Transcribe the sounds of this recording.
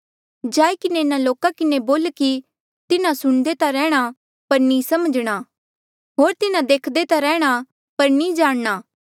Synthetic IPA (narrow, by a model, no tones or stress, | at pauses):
d͡ʒaːikɪneɪnãloːkakɪneboːlki | t̪ɪnãsʊɽ̃d̪et̪aɾɛːɽ̃a | pɐɾnĩsɐməd͡ʒɽ̃aː | ɦoːɾt̪ɪnãd̪eːkʰd̪et̪aɾɛːɽ̃a | pɐɾnĩd͡ʒaːɽ̃naː